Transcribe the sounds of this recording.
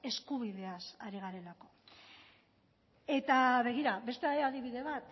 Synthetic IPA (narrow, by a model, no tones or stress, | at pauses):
e̞skuβ̞iðe̞asaɾiɣ̞aɾe̞lako̞̥ | e̞t̪aβe̞ɣiɾaβe̞st̪eaeaðiβ̞iðe̞βat̪